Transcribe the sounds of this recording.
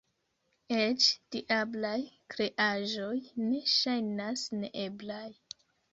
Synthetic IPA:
et͡ʃd̥iʔablajkɾeʔaʒo̞jne̞ʃajnasnḛʔeblaj

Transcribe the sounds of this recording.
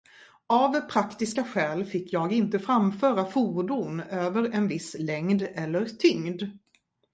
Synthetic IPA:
avpʰɾakt̪ɪskaɧɛːlfɪkːjɑːɡɪnt̪əfɾamfœːɾafuːɖʊnøːvəɾɛnvɪslɛŋd̪ɛlːəɾt̪ʰʏŋd̪

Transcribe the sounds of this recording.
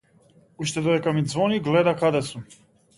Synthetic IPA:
uʃt̪ɛd̪ɔdɛkamid̪zvɔniɡlɛd̪akad̪ɛsu

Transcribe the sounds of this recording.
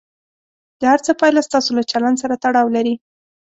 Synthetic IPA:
d̪̥əhaɾt͡səpɑjlast̪ɑsolat͡ʃaland̪saɾat̪aɽɑwlaɾi

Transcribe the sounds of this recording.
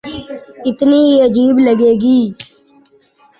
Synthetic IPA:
ɪt̪niːiəd͡ʒiːbləɡeːɡiː

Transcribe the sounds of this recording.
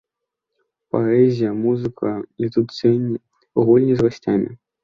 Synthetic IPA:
paɛzʲijɐmuzɨkʰɐit̪ut̪sʲɛnʲːi | ɣulʲnʲizɣasʲt͡sʲamʲḭ

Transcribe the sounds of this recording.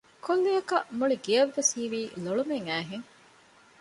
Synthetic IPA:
kolːijɐkɐmuɭiɡiɐʋːesiːʋiːloɭumeŋæːɦeŋ

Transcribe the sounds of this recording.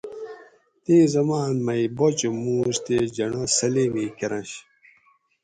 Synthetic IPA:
t̪iːzɐmaːnmɐjbot͡ɕomuːɕt̪ed͡ʑɐɳosɐlemiːkeɾɐ̃nɕ

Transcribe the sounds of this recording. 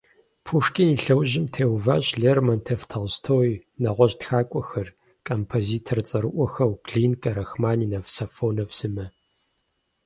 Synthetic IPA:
pʰuʂkʼiniɬɐwʑɪmtʰeːwvaːɕɮermɐntʰeftʰɐlstʰoːinɐʁʷɔɕtxaːkʷʼɔxɐr | kʰʼɐmpʰoziːtʰɐrt͡sʼɐɾɨʔʷɔxɐwkɮiːnkʼɐɾɐxmaːniːnɐfsafoːnɐfsɨmɐ

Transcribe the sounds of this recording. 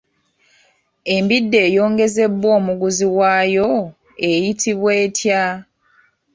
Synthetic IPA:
e̞mbidːe̞ːjo̞ːŋɡe̞ze̞bːo̞ːmuɡuziwaːjo̞ | e̞jitʰiβweːtʰja

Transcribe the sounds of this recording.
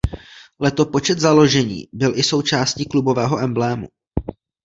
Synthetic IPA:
lɛt̪o̞po̞t͡ʃɛt̪zalo̞ʒɛɲḭːbɪlʔɪso̞wt͡ʃaːsciːklubo̞vɛːɦo̞ʔɛmblɛːmṵ

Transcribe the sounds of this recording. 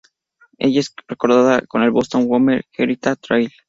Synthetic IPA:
ḛʝaesreko̞ɾðaðako̞ne̞lβost̪o̞nwomeɾxeɾit̪at̪ɾajl

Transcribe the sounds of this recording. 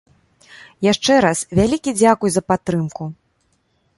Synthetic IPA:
jaʂt͡ʂɛɾasvʲalʲikʲid͡zʲakujuzɐpat̪ːɾɨmku

